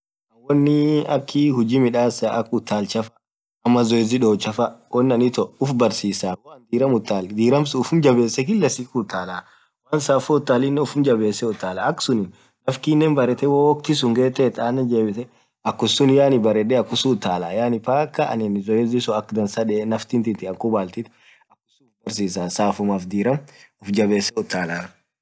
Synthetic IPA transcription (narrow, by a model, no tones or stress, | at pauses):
ɐwɔnːɪɐkʰːɪhʊd͡ʒiːmɪᶑaːsɐʔɐkːʊt̪ʰːaːlt͡ʃɐfɐ̥ | ɐmːɐzɔɛzɪᶑoːt͡ʃːɐfɐwɔnːɐnɪt̪ɔʊfbɐɾsiːsaːwnd̪iːɾɐmʊt̪ːaːld̪iːɾɐmsʊʊfʊmd͡ʒɐbeːsːɛk̬ɪlːɐsiːkʊt̪ːaːlaː | waːnsaːfɔʊt̪ːaːlɪnːɛʊfʊmd͡ʒɐbeːsːɛʊt̪ːaːlaɐkːsʊnɪn | nɐfkinːɛnbɐɾɛt̪ɛwowɔkt̪ɪsʊŋɡeːt̪ɛt̪aːnːɛd͡ʒeːbɪsɛ | ɐkːʊsʊnjaːnɪbɐɾɛᶑɛɐkːʊsut̪ːaːlaːjaːnɪpaːkːɐɐ̰nɪnzɔjɛzɪsɔɐkːd̪ɐnsaᶑɛnɐft̪ɪnt̪ɪt̪ɪɐŋkʊbaːlt̪ɪt̪ | ɐkːʊ̥sʊʊfbɐɾsiːsaːsaːfʊmaːfd̪iːɾɐm | ʊfd͡ʒɐbeːsːɛʊt̪ːaːlaː